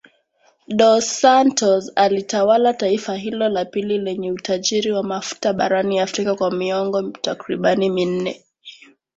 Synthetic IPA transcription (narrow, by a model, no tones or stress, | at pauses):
ɗɔsantɔzalitawalataifaɦilɔlapililɛɲɛutaʄiɾiwamafu̥taɓaɾaniafɾikakwamiɔŋɡɔtakɾiɓanimin̩nɛ